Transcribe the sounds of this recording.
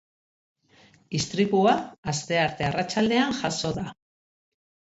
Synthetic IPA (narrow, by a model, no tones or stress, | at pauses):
ist̪ɾiβuaast̪e̞aɾt̪e̞arat͡ʃald̪e̞aŋʝaso̞ða